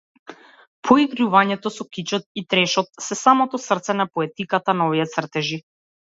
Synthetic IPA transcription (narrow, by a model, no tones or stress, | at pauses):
pʰɔiɡɾuvaɲɛt̪ɔsɔkit͡ʃɔt̪̚it̪ɾɛʃɔt̪̚sɛsamɔt̪ɔsr̩t̪sɛnapɔɛt̪ikat̪anɔvijɛt̪sr̩t̪ɛʒi